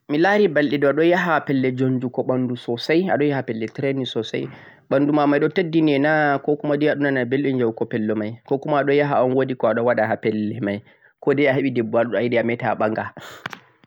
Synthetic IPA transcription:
milaɾibalɗidɔaɗɔnjaɦapɛlːɛd͡ʒoɲd͡ʒukɔɓandusɔsaja̰ɗɔnjahapɛlːɛtɾenisɔsa̰j | ɓandumamajɗɔtadːinɛnakɔkumadiaɗunanabelɗɛnd͡ʒawkɔpɛlːɔmajkɔkumaːɗɔjaɦaɔnwodikɔaɗɔnwaɗaɦapɛlːɛmaj | kɔdɛaɦeɓidɛbuaɗuɗɔajidɛamɛtaɓaŋɡa

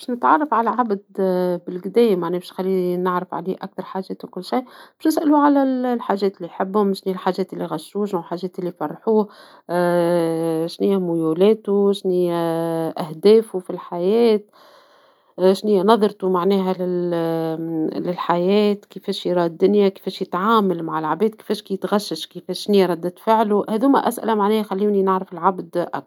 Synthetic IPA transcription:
bɪʃnɪt̪ʕɑrˤːɑfʕalæʕabd̪bɪlɡd̪ɛːjmaʕnɛːbʃnxalːinɪʕɾɪfʕa̰liːʔa̰k̚t̪ɑɾˤħaːʒɛːt̪wkʊlːʃijb̥ɪʃnɪsʔæluʕalællħaːʒɛːt̪lːiħɪbːhʊmʃniːælħaːʒɛːt̪ʔɪlːiɣɑʃːuːʃnalħaːʒɛːt̪ʔɪlːifɑrˤːħuː | ʃnɪjːæmʊjulɛːt̪uʃnijːæʔæhd̪ɛːfufilħajɛːt̪̚ | ʃniːænɑðˤɾt̪umaʕnɛːɦælɪl | lɪlħajɛːt̪kifɛːʃɾˤɑːd̪ːʊnjake̥fɛːʃjɪt̪ʕaːmalmaʕɪlʕabɛːd̪̚ki̥fɛːʃkit̪ɣaʃːɪʃkifɛːʃːniːɾˤɑd̪ːɪt̪fɪʕluhɛːðuːmæ̰ʔæ̰sʔɪ̰læmaʕnɛːhæxalːiːninaʕɾɪfɪlʕabd̪ʔɑ̰k̚

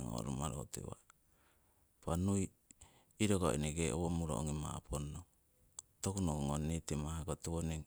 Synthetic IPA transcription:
ŋo̰ɾomaɾotḛwa̰ | panuj | iɾoɡoineɡeʔo̰womuɾo̰oŋima̰pʰono | tokunoŋonetemahakotewoneŋ

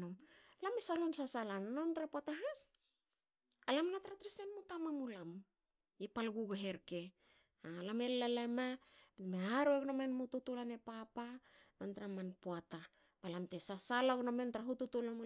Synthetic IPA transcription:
om | lamesalonsasalannontɾapoataɦas | alamnataɾatɾisenmutamamulam | epalɡuɡeɦe̞ɾke̞ | alame̞llalamameaɾoeɡnomenmututulanepapa | nontaɾamanpoata | balamte̞sasalaɡnome̞ntɾaɦututulam

